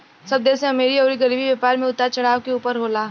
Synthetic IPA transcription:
sɐb̚d̪ɛːsẽɐmeːɾiɔːɾiɡɐɾiːbiʋjepaːɾmẽʊt̪at͡ʃɐɽaːʋkeuːpəɾɦoːlaː

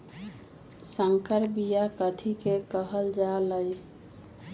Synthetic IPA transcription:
səŋkəɾbijakət̪ʰikekəɦəld͡ʒaləj

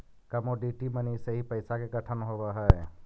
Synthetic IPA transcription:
kəmoɖiʈiməniseɦipəɪsakeɡəʈʰənɦoːbaɦɛ

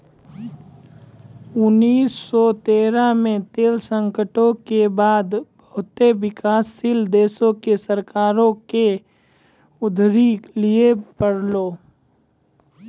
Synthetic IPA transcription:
ʊnːiːsːɔt̪eːɾamẽt̪eːlsə̃ŋkəʈõkebaːd̪bəɦʊt̪eʋɪkaːsːild̪eːsõkesəɾkaːɾõke | ʊd̪ʱɾiliepəɽloː

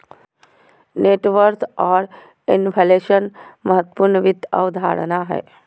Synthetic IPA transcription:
neːʈʋəɾt̪ʰɔːɾ | ɪnpʰɛleʃənməɦət̪ːpʊɾnəʋɪd̪ʱə̰wd̪ʱaːɾə̰naɦɛ̰ː

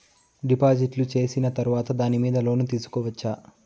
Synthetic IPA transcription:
ɖipaːd͡ʒiʈlut͡ʃe̞ːsinɐt̪ɐɾuʋaːt̪ɐd̪aːnimiːd̪ɐlo̞ːnut̪iːsu̥kɔːʋɐt͡ʃːaː

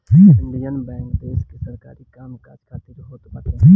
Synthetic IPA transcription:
ɦɪɳɖijənbɛ̃ːŋkd̪eːskesɐɾkaːɾikaːmkad͡ʒkʰaːt̪iɾɦoːt̪paːt̪ẽɦ

